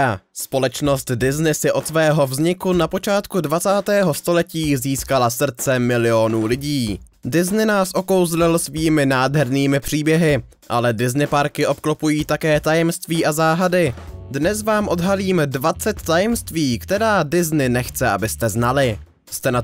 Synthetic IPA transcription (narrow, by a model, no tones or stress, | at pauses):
spo̞lɛt͡ʃno̞st̪dɪznɪsɪʔo̞t̪svɛːɦo̞vzɲɪkunapo̞t͡ʃaːt̪kudvat͡saːt̪ɛːɦo̞st̪o̞lɛciːziːskalasr̩t͡sɛmɪlɪo̞nuːlɪɟiː | dɪznɪnaːsʔo̞ko̞wzlɪlsviːmɪnaːdɦɛɾniːmɪpr̝̥iːbjɛɦɪ | ʔa̰lɛdɪznɪpaɾkɪʔo̞pklopujiːt̪akɛːt̪ajɛmst̪viːʔazaːɦadɪdnɛs̬vaːmʔo̞dɦaliːmdvat͡sɛt̪ːajɛmst̪viːkt̪ɛɾaːdɪznɪnɛxt͡sɛʔa̰bɪst̪ɛznalɪ | st̪ɛna